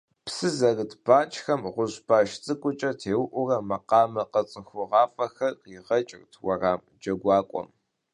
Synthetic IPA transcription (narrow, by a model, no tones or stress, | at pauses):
psɨzɐrɨdʰb̥aːt͡ʃʼxɐmʁʷʊʑbaːʃt͡sʼɨkʷʼʊt͡ʃʼɐtʰeːwʔʷʊrɐmɐqɑːmɐqɐt͡sʼəxʷʊʁɑːfʼɐxɐrqiːʁɐt͡ʃʼɪrtʰwɐraːm | d͡ʒɐɡʷɑːkʷʼɔ̰m